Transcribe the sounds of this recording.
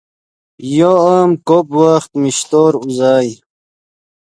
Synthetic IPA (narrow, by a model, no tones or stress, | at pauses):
joamkopwaxt̪miɕt̪oːɾuzaːj